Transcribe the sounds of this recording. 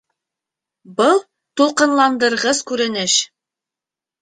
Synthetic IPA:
bɤlˠ | t̪ulˠqɤ̆nlˠɑnd̪ɤ̆ɾʁɤzkʉɾɘ̆nɘʃ

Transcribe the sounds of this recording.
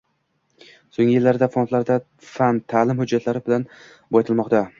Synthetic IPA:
soŋʲɪjɪlːaɾd̪afont̪laɾd̪a | fant̪ʰaːlɪmhʊd͡ʒːat̪ʰlaɾɪbɪlan | bɒjt̪ʰɪlˠmɒqt̪a

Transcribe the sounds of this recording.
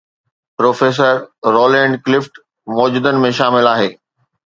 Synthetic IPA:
pɾoːfeːs̬əɾɾoːlɛ̃ːɳɖklɪfʈ | mɔːd͡ʑuːd̪ənɪ̆mẽʃaːmɪlaːɦeː

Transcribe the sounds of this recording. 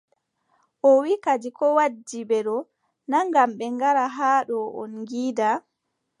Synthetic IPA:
ʔɔwikad͡ʒikɔwad͡ʒːibɛɗɔ | naŋɡamɓɛŋɡaɾaɦaːɗɔʔɔnŋɡiːda

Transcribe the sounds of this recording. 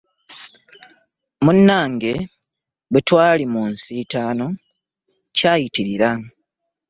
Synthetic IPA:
munːaːŋɡe̞ | wetwaːlimunsitaːno̞ | caːjitiɾiɾa

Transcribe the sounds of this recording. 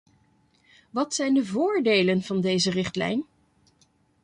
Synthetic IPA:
ʋɑtsɛjndəvʊːɹdejlənvɑndejzərɪχtlɛ̰jn

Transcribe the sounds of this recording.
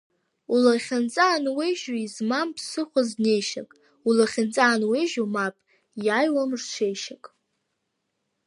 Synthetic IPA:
ulaχʲant͡sʼaːnwejʒaizmampʰsɨχʷaznejʃa̰kʼ | ulaχʲant͡sʼaːnwejʒomapʼ | jajwamʐt͡ʃʷʰejʃakʼ

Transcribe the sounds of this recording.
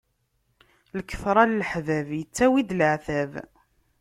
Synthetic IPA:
ləkːə̥fɾˤɑllħvævjət͡sːæwid̪ləʕθæv

